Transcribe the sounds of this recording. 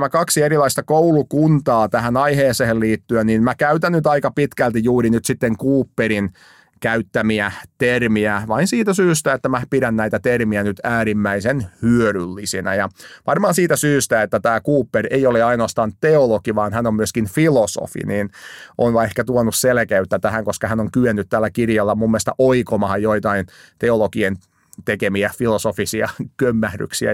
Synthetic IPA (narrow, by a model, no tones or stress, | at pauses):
mækɑksieɾilɑist̪ɑkoulukunt̪ɑːt̪æhænɑiheːsehelliːt̪ːyenninmækæyt̪ænnyt̪ɑikɑpit̪kælt̪ijuːɾinyt̪sit̪ːeŋkuːpːeɾin | kæyt̪ːæmiæt̪ermiæʋɑinsiːt̪æsyːst̪æet̪ːæmæpiɾænnæit̪æt̪ermiænyt̪æːɾimːæisenhyøɾylːisinæ̰jɑʋɑrmɑːnsiːt̪æsyːst̪æet̪ːæt̪æːkuːpːereioleɑinoɑst̪ɑːnt̪eolokiʋɑːnhænommyøskinfiloso̰fḭniːnʔonʋɑehkæt̪uonusselkeyt̪ːæt̪æhæŋkoskɑhænoŋkyenːyt̪t̪æːlːækirjɑlːɑmumːeˑst̪ɑʔoikomɑhɑjjoit̪ɑint̪eolokien | t̪ekemiæfilosofisiɑ̰kømːæhdy̰ksiæ̰